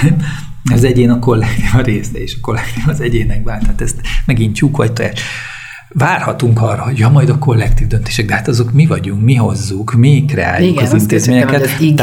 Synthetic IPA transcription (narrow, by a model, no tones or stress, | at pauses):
zɛɟeːnɒko̞lːɛkt̪iːvɒɾeːsɛeːʃɒ̥ko̞lːɛkt̪iːvɒzɛɟeːnɛɡ̚baːnt̪aːt̪ɛst̪mɛɡint͡ʃukʋɒ̰c̚t̪ojaːʃ | vaːrhɒt̪uŋkɒrːɒho̞ɟɒmɒjd̪ɒko̞lːɛkt̪iːvd̪ønt̪eːʃɛɡd̪ɛɦaːt̪ɒzo̞kmivɒɟuŋkmiɦo̞zːukmikrɛ̰a̰ːjukɒint̪eːzmeːɲɛkɛt̪